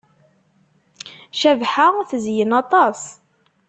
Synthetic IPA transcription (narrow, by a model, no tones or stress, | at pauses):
ʃævħaθzjənɑt̪ˤɑs